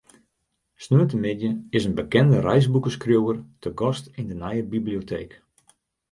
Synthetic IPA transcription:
snuətəmɪdjəɪsənbəkɛndərɛjzbukəskrjowərtʰəɡɔstindənɛjəbibliotʰḛːk

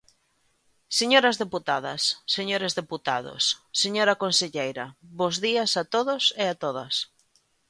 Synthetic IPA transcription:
seɲoɾɐzðeput̪aðɐ̰sːeɲoɾezðeput̪a̰ðo̰sːeɲoɾɐkonseʎejɾɐβozðiasat̪oðosɪat̪oðɐs

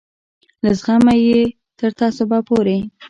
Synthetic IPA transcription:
lazɣamaje | t̪əɾt̪ɑsobɑpoɾe

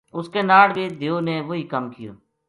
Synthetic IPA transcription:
ʊskeːnaːɽʋiːd̪ʱɪjoːneːʋoːɦiːkəmkɪjo̰ː

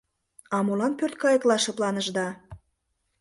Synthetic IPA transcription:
ɑmolɑnpørt̪̚kɑjəklɑʃɤ̆plɑnəʒd̪ɑ

